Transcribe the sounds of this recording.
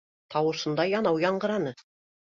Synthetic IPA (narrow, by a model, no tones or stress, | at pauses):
t̪ʰɑwɤ̆sɤ̆nd̪ɑjɑnɑwjɑɴɢɤ̆ɾɑnɤ